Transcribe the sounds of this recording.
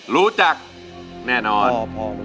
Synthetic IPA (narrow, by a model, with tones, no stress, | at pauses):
ɾuː˦˥t͡ɕa˨˩k̚ | nɛː˥˩nɔː˧